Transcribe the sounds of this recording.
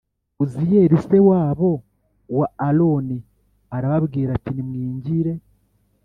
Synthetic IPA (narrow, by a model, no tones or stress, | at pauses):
uzije̞ɾise̞waːβo̞ | waːlo̞ni | aɾaβaβɡiːɾatinimŋiːɲɟiɾe̞